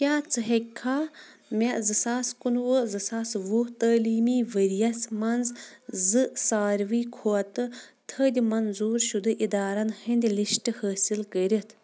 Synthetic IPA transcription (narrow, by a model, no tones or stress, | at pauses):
kʲaːt͡sɨɦekʰːaːmʲezɨsaːskunwəzɨsaːsʋut̪əːliːmiːʋəɾijɐsmɐnzzɨsaːɾʋiːkʰoɐt̪ɨ | t̪ʰəːd̪ʲimɐnzuːɾʃud̪ɨʔid̪aːɾɐnhɐnʲd̪ʲliʃʈɨhəːsilkəɾʲit̪ʰ